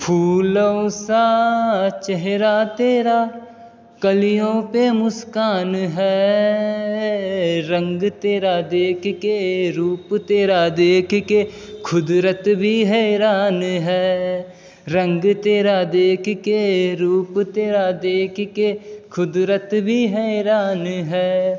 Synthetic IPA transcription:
pʰuːləosaːt͡ʃɛɦɾaːt̪eːɾaː | kəlɪjõːpemʊskaːnɦɛː | ɾə̃ŋɡt̪eːɾaːd̪eːkʰkeɾuːpt̪eːɾaːd̪eːkʰkekʰʊd̪ɾət̪bʱiɦɛːɾaːnɦɛː | ɾə̃ŋɡt̪eːɾaːd̪eːkʰkeɾuːpt̪eːɾaːd̪eːkʰkekʰʊd̪ɾət̪bʱiːɦɛɾaːnɦɛː

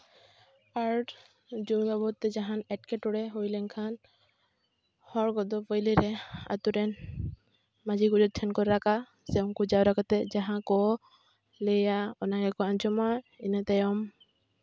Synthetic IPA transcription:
aɾ | d͡ʒubabɔt̪ːɛd͡ʒaɦanɛʈ̚kɛʈɔɽɛɦojlɛŋkʰan | hɔɹɡɔd̪ɔpɔjlɛɾɛa̰t̪uɾɛn | mad͡ʒiɡud͡ʒɔt̪̚tʰɛnkɔɾɾaka | sɛɔmkud͡ʒawɾakat̪ɛd͡ʒaɦãkɔ | lejaɔnaɛkɔand͡ʒɔmajinat̪ajɔm

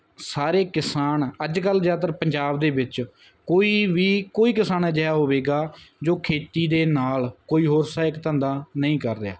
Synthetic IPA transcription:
saːɾeːkɪsaːnəd͡ʒkəlzjaːt̪̬əɾpəɲd͡ʒaːbd̪eːbɪt͡ʃ | koːiːʋiːkoːiːkɪsaːnɛːd͡ʒəaːɦoːʋeːɡaːd͡ʒoːkʰeːt̪iːd̪eːnaːlkoːiːɦoːɾsaːɪkt̪ə̃ːnd̪aːnəĩːkəɾːɪja̰ː

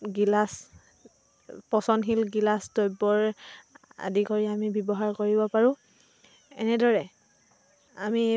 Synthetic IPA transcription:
ɡilas | pɔsɔnɦilɡilasdojbɔɹ | a̰dikoɹiamibjɔbɔɦaɹkoɹibɔpaɹʊ̃ | ɛnɛdɔɹɛ | ami

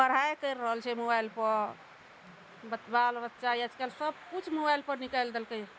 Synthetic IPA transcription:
pəɾɦajkəɾːəɦəlt͡ʃʰɛmobajlpəɾ | bət̪balbətːʃajəd͡ʒkalsəb̚kut͡ʃʰmobajlpəɾnikajld̪elkəj

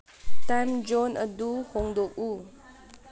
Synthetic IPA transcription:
t̪and͡ʒɔnəduhɔŋd̪oʔu

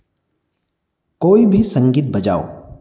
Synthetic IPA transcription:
koːibʱisɐ̃ŋɡiːt̪̚bɐd͡ʒa̰ːo̰ː

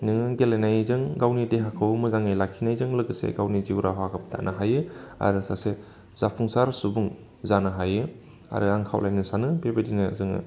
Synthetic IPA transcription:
nɯŋɡelejnajzɯŋɡawnideɦakʰɯwmɯzaŋajlakʰinajzɯŋlɯɡɯsḛɡawniziwɾaɦwakʰɯp̚dʰa̰nʔɯɦajɯa̰ɾɯsase | z̥apʰuŋsaɾsubuŋ | zanɯɦajɯ | a̰ɾɯaŋkʰa̰wlajnɯsanɯbebedinazɯŋɯ̰

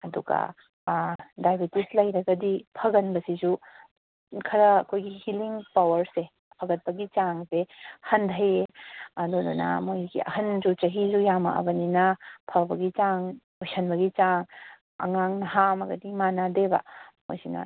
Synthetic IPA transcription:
ɐduɡɐ̰ | dajbitislɐjɾɐɡɐdipʰɐɡɐnbɐsizu | kʰɐɾɐɐkʰojɡihiliŋpawɐɾse | pʰɐɡɐt̚pɐɡit͡ʃaŋsehɐndʰʱɐjeɐdodunɐ̰mojɡḭɐ̰hɐnzut͡ʃɐɦizujamɐ̰ʔɐ̰bɐninɐpʰɐbɐɡit͡ʃaŋ | ojsʰɐnbɐɡit͡ʃaŋ | ɐ̰ŋaŋnɐɦamɐɡɐ̰dimanadebɐ̰mo̰jsinɐ̰

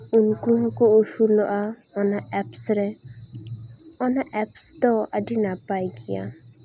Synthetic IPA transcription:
unkuɦɔ̃kɔosulɔʔa | ɔnaɛpsɾɛ | ɔnaʔɛpst̪ɔaɖinapajɡija̰

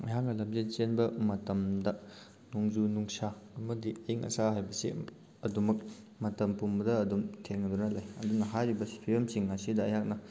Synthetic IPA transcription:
ɐjak̚nɐlɐmzet̚t͡ʃenbɐmɐtɐmdɐ | nuŋzunuŋsamɐdiɐiŋɐ̰saɦajbɐsḭ | ɐdumɐk̚ | mɐtɐmpumbɐdɐːdumtʰeŋːɐdunɐlajɐdunɐɦajɾibɐspʰijemsiŋːasidɐːjɦak̚nɐ

